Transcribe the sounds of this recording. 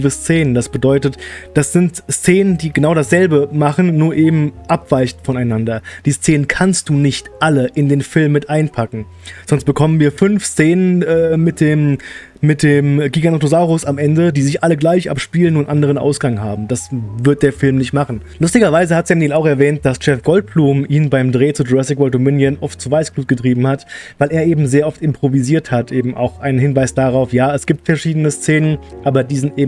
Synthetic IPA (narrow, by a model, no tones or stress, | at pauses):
vəst͡seːnəndasb̥ədɔʏtətd̥asz̥ɪntst͡seːnəndiːɡənaʊɾdasz̥ɛlbəmaχn̩ːuːɐʔeːbm̩ʔapv̥aɪçtfɔnaɪnandɐd̥iːst͡seːnənkʰanst̚d̥uːnɪçtʔaləʔɪndeːnfɪlmːɪtʔaɪnpʰakŋ̩ | z̥ɔnst̚b̥əkʰɔmənviːɐfʏnfst͡seːnənʔɛːmɪt̚d̥eːm | mɪt̚d̥eːmɡiːɡanotozaʊʁʊsamʔɛndədiːzɪçʔaləɡlaɪçʔa̰pʃpiːlənʊntʔandəʁ̞ənʔa̰ʊsɡ̥aŋɦa̰ːbm̩d̥asvɪɐt̚d̥eːɐfɪlmnɪçtmaχn̩ | lʊstɪɡɐvaɪzəhatsɛmiːlaʊxɛɐvɛːnt̚d̥ast͡ʃɛfɡ̥ɔlt̚b̥luːmʔiːnbaɪmdʁeːt͡sudʁɛsɪkvɔltomɪnjənʔɔft̚t͡suːvaɪsɡ̥luːt̚ɡ̥ətʁ̥iːbm̩hatvaɪleːɐʔeːbm̩zeːɐʔɔftɪmpʁ̥oviziːɐthatʔeːbm̩ʔa̰ʊxʔaɪnənhɪnvaɪsd̥aʁaʊfjaːɛsɡ̥iːp̚tfɛɐʃiːdənəst͡seːnənʔaːbɐdiːzɪntʔeːb